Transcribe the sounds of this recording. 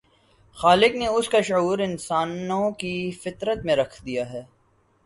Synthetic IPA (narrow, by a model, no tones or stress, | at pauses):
xaːlɪkneʊskaʃuːɾɪnsaːnõkifɪt̪ɾət̪mẽɾɐkʰd̪ijaɦɛː